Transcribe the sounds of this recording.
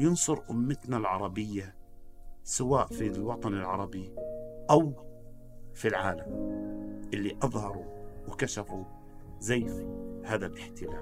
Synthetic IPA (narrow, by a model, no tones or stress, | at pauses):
jʊnsˤʊɾʔʊ̰mːɪt̪nalʕɑɾˤɑbɪjːa | sawaːʔfilwɑt̪ˤɑnɪlʕɑɾˤɑbiʔaw | filʕaːlam | ʔɪlːiʔɑðˤhɑɾˤuwkaʃafu | zajːhaːðalʔɪħt̪ɪlaːl